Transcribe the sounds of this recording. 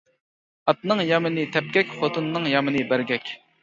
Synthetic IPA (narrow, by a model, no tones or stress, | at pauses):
ɑt̪̚nɨŋjɑmɪnɪt̪ʰɛp̚ɡʲɛkʲfot̪ʰunːɨŋjɑmɨnɨbæɾɡʲɛkʲ